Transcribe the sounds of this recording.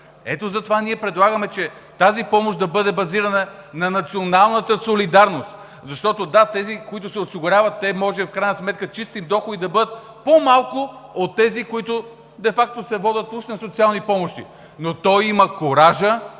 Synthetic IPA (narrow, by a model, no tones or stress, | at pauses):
ɛt̪ozɐt̪ovaniɛpɾɛd̪lˠaɡəmɛt͡ʃɛ | t̪azipɔmoʃd̪ɐbɤd̪ɛbɐziɾɐnɐ | nɐnɐt̪sionalˠnət̪əsolid̪aɾnost̪ | zɐʃt̪ɔt̪od̪at̪ɛzikoit̪ʊsɛosiɡʊɾʲavɐt̪ːɛmɔʒɛfkɾajnɐsmɛt̪̚kət͡ʃist̪imd̪ɔxod̪id̪ɐbɤd̪ət̪̚ | pomalˠkʊot̪ːɛzikoit̪ʊ | d̪ɛfak̚t̪osɛvɔd̪ʲət̪uʃnɐsot̪sialˠnipɔmoʃt̪ḭ | not̪ɔjiməkoɾaʒə